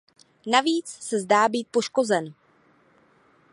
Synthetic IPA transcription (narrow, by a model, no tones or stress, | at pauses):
naviːt͡ssɛzdaːbiːt̪̚po̞ʃko̞zɛn